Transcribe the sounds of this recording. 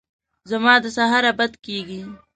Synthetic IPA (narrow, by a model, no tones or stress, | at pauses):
zɐmaːd̪əsaɦaɾabɐd̪kiːɡi